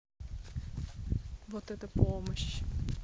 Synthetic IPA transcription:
vɔt̪ɛt̪əpoməɕ

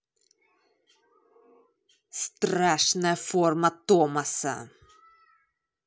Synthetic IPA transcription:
st̪ɾæʂnɛfɔɾmat̪ːɔmasə̰

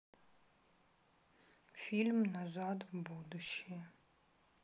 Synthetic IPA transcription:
fʲilʲmnazad̪vbud̪uʃi

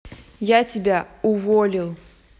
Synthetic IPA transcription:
jatʲɪbʲaʊvɔlʲilˠ

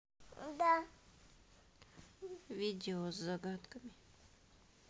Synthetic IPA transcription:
d̪a | vʲidʲɪozːɐɡat̪kəmʲɪ

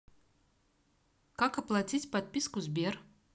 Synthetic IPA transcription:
kakaplˠat͡s̪ʲitʲpat̪̚ʲpʲiskuzbʲiɾ

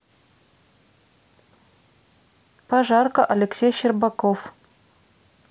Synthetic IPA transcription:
paʒɑrkəʔɐlʲɪksʲejɕɪrbakof

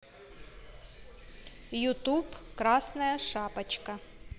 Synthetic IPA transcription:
jʊt̪ubkɾɑsnɐjɐʃɑpɐt͡ʃkɐ

